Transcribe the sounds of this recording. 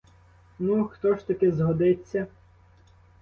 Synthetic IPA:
nuxt̪ɔʃt̪ɐkɪzɦɔd̪ɪt͡sʲːɐ

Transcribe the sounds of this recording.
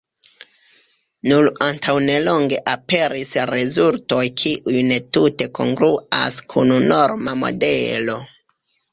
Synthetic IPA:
nulantʰawne̞lo̞ŋɡe̞ʔape̞ɾisɾe̞zulto̞jkʰiʔujne̞tute̞kʰo̞̰ŋɡɾuʔa̰skʰununo̞ɾmamo̞̰de̞lo̞

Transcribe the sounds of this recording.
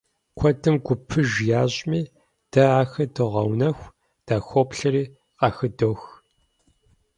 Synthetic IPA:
kʷʰɔdɨmɡʷʊpʰɨʒjaːʑʼmiː | d̥ɐaːxɐdɨʁɐwnɐxʷ | d̥aːxʷopɬɐɾiː | qɑxɨdoːx

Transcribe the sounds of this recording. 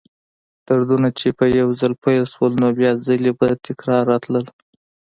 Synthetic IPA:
t̪əɾd̪unat͡ʃepəjawzalpajlʃwəlnobjɑzəlebat̪ɪkɾɑɾːɑt̪ləl

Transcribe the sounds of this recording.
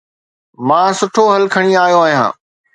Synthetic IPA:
mãːsʊʈʰoɦɐlkʰɐɽ̃iaːjoaːɦijã̰ː

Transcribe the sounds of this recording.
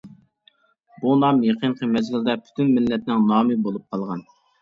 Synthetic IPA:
bunɑmjeqʰənqʰəmɛzɡʲɪld̪ɛpʰy̥t̪ʰynmɪlːɛt̪nɪŋnɑːmɨbolˠup̚qʰɑlˠʁɑn

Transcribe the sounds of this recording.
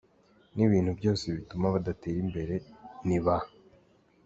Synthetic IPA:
niβiːn̥hubjo̞ːseβitumaβadate̞ːɾimbe̞ɾe̞niβa

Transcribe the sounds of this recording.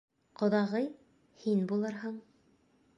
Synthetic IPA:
qŏðɑʁɤj | hinbulˠɤɾɦɤɴ

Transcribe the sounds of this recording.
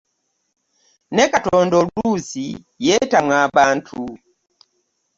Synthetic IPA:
nɛkatɔndɔlusi | jɛtamwabantʰu

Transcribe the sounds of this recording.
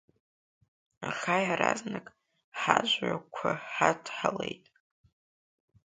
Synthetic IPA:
aχajaɾaznɨkʼ | ħaʒʷʕakʷʰaħadʰħale̞jtʼ

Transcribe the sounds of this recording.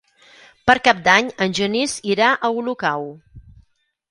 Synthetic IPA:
pəɾkap̚d̪aɲənʲʒəniziɾaʔəulukaw

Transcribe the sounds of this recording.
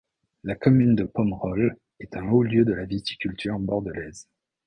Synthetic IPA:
lakɔmynd̪əpɔmʁɔl | ɛt̪ɛ̃oljød̪əlavit̪i̥kʲylt̪ʰyʁbɔʁd̪əlɛz

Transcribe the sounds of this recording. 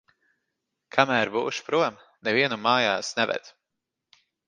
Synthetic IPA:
kʰamæːɾbuːʃpɾuɔm | nɛviɛnumaːjaːsnɛvɛ̰d̪̥

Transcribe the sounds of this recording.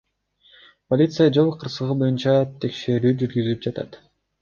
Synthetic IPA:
polʲit̪sɨjad͡ʒo̞lˠqʰɯɾsɯʁɯbo̞junt͡ʃɑt̪ʰe̞kʃe̞ɾyːd͡ʒyɾɡyzyp̚d͡ʒɑt̪ɑ̰t̪

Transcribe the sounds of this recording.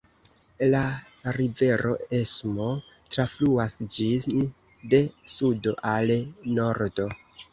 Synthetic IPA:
la | ɾive̞ɾo̞esmo̞ | tɾafluasd͡ʒin | de̞sudo̞ʔalno̞ɾdo̞

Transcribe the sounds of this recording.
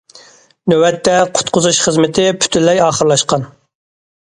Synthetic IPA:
nøwɛt̪ʰːɛqʰʊ̥t̪qʰʊzuʃχəzmɪt̪ʰɪpʰy̥t̪ʰynlːɛjɑːχəɾlˠɑʃqɑn

